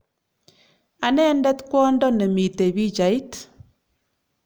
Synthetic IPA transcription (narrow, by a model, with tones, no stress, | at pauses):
a˨nɛ˦ndɛ˦tkwɔ˦ndɔ˦nɛ˨mi˨te˨bi˦t͡ʃa˨i˦t